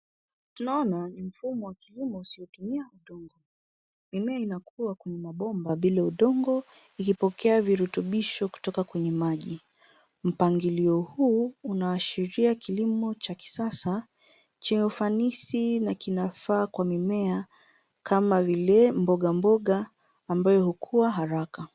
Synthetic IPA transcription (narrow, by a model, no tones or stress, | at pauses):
tunaɔnanim̩fumɔwakilimɔusiɔtumiauɗɔŋɡɔ | mimɛainakʰuakwɛɲɛmaɓɔmbaɓilauɗɔŋɡɔ | ikipɔkʰɛaviɾutuɓiʃɔku̥tɔkakwɛɲɛmaʄi | m̩paŋɡiliɔhuːunaːʃiɾiakilimɔt͡ʃaki̥sasa | t͡ʃiɲɛufanisinakinafaːkwamimɛa | kʰamavilɛmbɔɠambɔɠaː | mbajɔhukʰuwaɦaɾaka